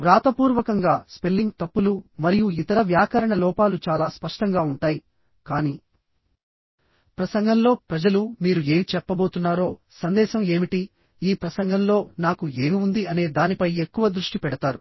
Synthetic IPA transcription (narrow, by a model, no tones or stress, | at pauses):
ɾaːt̪ɐpuːɾʋɐkɐŋɡaːspe̞lːiŋɡt̪ɐpːulumɐɾijuit̪ɐɾɐʋjaːkɐɾɐɳɐlɔːpaːlut͡ʃaːlaːspɐʂʈɐŋɡaːuɳʈaːji | kaːniː | pɾɐsɐŋɡɐnlo̞ːpɾɐd͡ʒɐlumiːɾue̞ːmit͡ʃɛpːɐbo̞ːt̪unːaːɾo̞ː | sɐnd̪ɛːʃɐme̞ːmiʈi | iːpɾɐsɐŋɡɐnlo̞ːnaːkue̞ːmiund̪iɐne̞ːd̪aːnipɐje̞kːuʋɐd̪ɾuʂʈipɛɽɐt̪aːɾu